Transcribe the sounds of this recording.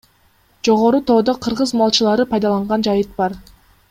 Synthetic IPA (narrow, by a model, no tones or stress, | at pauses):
d͡ʒo̞ʁo̞ɾut̪ʰo̞ːd̪oqʰɯɾʁɯzmɑlˠt͡ʃɯlˠɑɾɯpʰɑjd̪ɑlˠɑɴʁɑnd͡ʒɑjɯt̪̚bɑɾ